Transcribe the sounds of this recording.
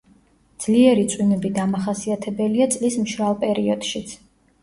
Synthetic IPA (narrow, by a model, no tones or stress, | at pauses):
d̪z̥liɛɾit̪sʼwinɛbid̪amaχasiat̪ʰɛbɛliat̪sʼlismʃɾalˠpʼɛɾiɔd̪̥ʃit̪sʰ